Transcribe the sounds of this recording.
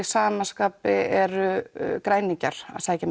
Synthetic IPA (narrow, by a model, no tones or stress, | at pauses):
ɪsaːmanskaːpɪɛɾʏkɾaːjniɲcaɾ̥a̰saːcɪn